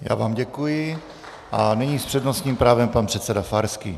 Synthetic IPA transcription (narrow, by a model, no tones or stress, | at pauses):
ja̰ːvaːmɟɛkujɪ | ʔanɛɲiːspr̝̥ɛdnost̪ɲiːmpɾaːvɛmpanpr̥ɛt̪sɛdafaɾskḭ